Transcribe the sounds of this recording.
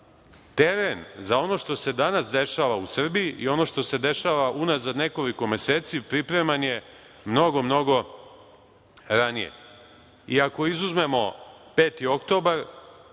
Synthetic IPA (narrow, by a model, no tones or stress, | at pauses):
t̪eɾenzao̞no̞ʃt̪o̞se̞d̪anasd̪e̞ʃaːʋausr̩bijiʔḭo̞no̞ʃt̪o̞se̞d̪e̞ʃaʋaʔunazad̪ne̞ko̞liko̞mese̞ːt̪sipɾipɾe̞manje̞ | mno̞ɡo̞mno̞ɡo̞ | ɾanijḛ | iako̞izuzme̞mo̞pe̞ːt̪io̞kt̪o̞ːbaɾ